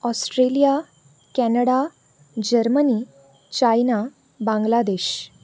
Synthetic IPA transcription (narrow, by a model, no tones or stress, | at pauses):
ɔsʈɾelija | kɛnəɽa | d͡ʑəɾməniː | t͡ɕajna | bãŋɡlad̪eɕ